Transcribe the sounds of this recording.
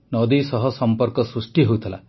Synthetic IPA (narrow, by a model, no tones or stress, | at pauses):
nɔd̪isɔɦɔsɔmpɔɾkɔsɾusʈiɦowt̪ʰila̰